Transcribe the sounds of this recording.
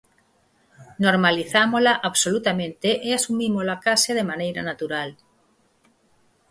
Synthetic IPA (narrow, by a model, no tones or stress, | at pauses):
noɾmaliθamolaʔaβsolut̪amẽnt̪eʔeasumimolakaseð̞emanejɾa̰nat̪uɾal